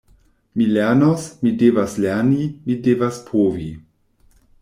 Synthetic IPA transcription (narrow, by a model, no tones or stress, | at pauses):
mileɐnosmidevasleɐnimidevaspʁovi